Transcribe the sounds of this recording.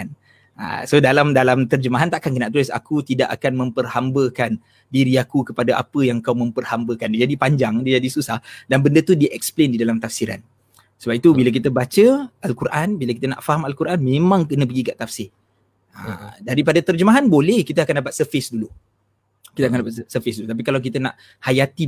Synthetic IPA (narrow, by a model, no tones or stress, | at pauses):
an | ə̰sodalamdalamt̪ərd͡ʒəmaɦant̪aʔkankənaʔt̪ulɪsa̰kut̪idaʔa̰kanmə̃mpərhambəkan | diɾiakukəpadaʔa̰pəjaŋkawmə̃mpərhambəkand͡ʒadipaɲd͡ʒaŋdid͡ʒadisusahdanbəndət̪udiʔɛksplendidalamt̪afsiɾa̰n | səbap̚it̪ubilək̬it̪əbat͡ʃəʔalkuɾʔanbiləkit̪əna̰ʔfaɦamalkuɾʔanmẽmãŋkənə̃p̬əɡikaʔt̪afsɪ | ə̰daɾip̬adat̪ərd͡ʒəmaɦanbolɛhkit̪əakandap̬at̪̚səfɪsdulu | kit̪əakandapat̪səfɪsdulut̪ap̬ikalawk̬it̪əna̰ʔ | hajat̪i